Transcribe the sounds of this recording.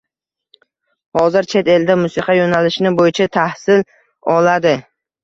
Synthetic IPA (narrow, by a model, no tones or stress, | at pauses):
hɒzɪɾt͡ʃʰe̞t̪e̞ld̪amʊsɪqʰɑjonalɪʃnɪbojɪt͡ʃʰat̪ʰahsɪl | ɒlad̪ɪ